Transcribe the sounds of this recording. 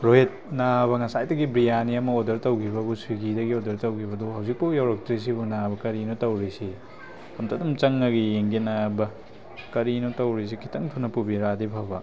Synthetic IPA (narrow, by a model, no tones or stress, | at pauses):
ɾojet̚naβɐŋɐsajdɐɡibɾijaniɐmɐodɐɾtɐwkʰibɐbusiɡidɐɡiodɐɾtɐwkʰibɐduɦɐwzik̚pɐjawɾɐk̚tɾis̬ibunabɐkɐɾinotɐwɾisi | ɐmtʰadumt͡ʃɐŋːɐɡijeŋɡinabɐ | kɐɾinotɐwɾis̬ikʰi̥tɐŋtʰunɐpubiɾadipʰɐbɐ